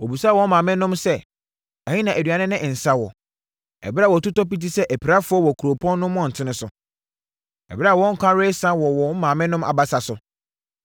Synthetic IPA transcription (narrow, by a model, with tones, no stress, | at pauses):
wɔ˨bu˨sa˦wɔ̃˦mãː˨mɪ̃˦nʊ̃˦msɛ˦ | a˨ɲĩ˦nã˨æ˨dɥa˨nɪ̃˦nɪ̃˦ʔɪ̃˨n̩˨sa˦wɔ˨ | ɛ̰˨bɪ˦a˦˨wɔ˨tʊ˦tɔ˦pi˦t̬i˦sɛ˦ʔæ˨pʰi˨ɾa˦fʊ˦ɔ˦wɔ˨kʰu˨ɾo˨pʰɔ̃˦nːʊ̃˦mɔ̃˦˨n̩˨tʰɪ̃˦nʊ̃˦sʊ˨ | ɛ̰˨bɪ˦ɾa˨wɔ̃˦ŋ̩˦kʰʷã˦ɾe˦sã˦wɔ˨wɔ̃˨˦mãː˨mɪ̃˦nʊ̃˦mʔa̰˨ba˨sa˨sʊ˨